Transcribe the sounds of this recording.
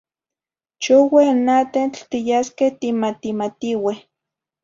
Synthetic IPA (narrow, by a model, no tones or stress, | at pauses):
t͡ʃuwehnat̪ent͡ɬt̪ijaskeht̪imat̪imat̪iweh